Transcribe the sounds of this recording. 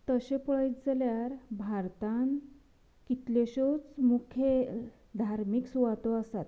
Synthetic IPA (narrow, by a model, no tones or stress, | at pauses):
t̪əɕepɔɭajt̪d͡zaljaɾbʱaɾt̪an | kit̪leɕot͡smukʰe | d̪ʱaɾmiksuʋat̪ɔasat̪